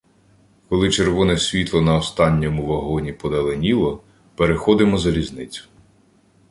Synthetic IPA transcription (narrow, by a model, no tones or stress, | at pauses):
kɔlˠɪt͡ʃeɾʋɔnɛsʲʋʲit̪lˠɔnɐɔst̪ɑnʲːɔmʊʋɐɦɔnʲipɔd̪ɐlˠenʲilˠɔ | peɾexɔd̪ɪmɔzɐlʲizʲnɪt͡sʲʊ̥